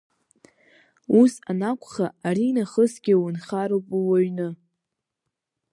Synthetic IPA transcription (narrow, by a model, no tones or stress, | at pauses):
usanakʷʰʼχaːɾinaχəsɡʲɪwʊnχaɾowpʼuwaɥnɨ